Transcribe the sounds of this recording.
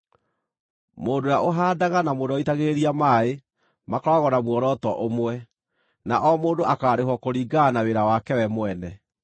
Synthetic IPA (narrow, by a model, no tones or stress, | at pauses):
moːdojaʔoɦaːdaɣanamodɔitaɣeeɾiamaːe | makɔɾaɣɔnamwɔɾɔtɔʔomwɛ | naʔɔmoːndoʔakaːɾeɦwɔkoɾiːɡanaweɾawakɛwɛmwɛnɛ